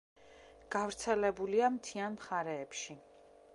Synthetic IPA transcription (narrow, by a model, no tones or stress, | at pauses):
ɡ̥avɾt̪sʰɛlɛbuliamt̪ʰianmχaɾɛːpʃi